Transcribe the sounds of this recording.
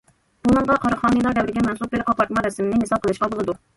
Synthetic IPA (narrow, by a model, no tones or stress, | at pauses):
bumɑŋʁɑqʰɑɾəχɑːnəjlˠɑɾd̪ɛwɾɪɡʲɛmɛnsup̚belqʰɑpɑɾt̪mɑɾɛsmɪnɪɦesɑp̚qʰəlˠɨʃqɑbolˠɨd̪u